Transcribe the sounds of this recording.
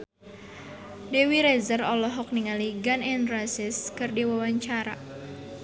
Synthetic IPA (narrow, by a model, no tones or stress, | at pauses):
dɛwiɾɛzərɔlɔɦɔk̚niŋaliɡanɛnrasɪskɨrdiwawaɲt͡ʃaɾa̰